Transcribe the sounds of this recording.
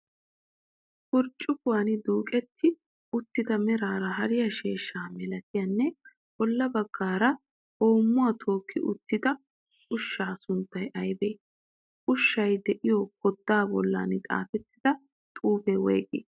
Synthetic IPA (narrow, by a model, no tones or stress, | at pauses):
kʊɾt͡ʃʼːʊkʊwanɪd̪uːkʼɛt̪ʰːɪ | ʊt̪ːɪd̪ɐmɛɾaːɾɐɦɐɾɪjɐʃeːʃːaːmɛlɐt̪ɪjɐnːɛ | b̥ɔlːɐbɐɡ̥ːaːɾɐ | o̞ːmːʊwɐt̪ʰo̞ːkʰːɪʔʊ̰t̪ːɪd̪ɐ | ʔʊʃːaːsʊnt̪ːɐjʔɐjbeː | ʔʊʃːɐjd̪ɛʔɪjokɔd̪ːaːbɔlːa̰ːnɪt̪ʼa̰ːfɛt̪ːɪd̪ɐ | t̪ʼuːbɛwɛ̰ːkʼḛː